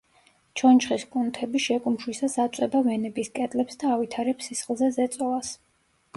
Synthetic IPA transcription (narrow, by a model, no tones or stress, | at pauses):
t͡ʃʰɔnt͡ʃχiskʼunt̪ʰɛbiʃɛkʼumʃwisasat̪sʼɛbavɛnɛbiskʼɛt̪ʼlɛpsd̪aːvit̪ʰaɾɛpsisχlˠzɛzɛt̪sʼɔlas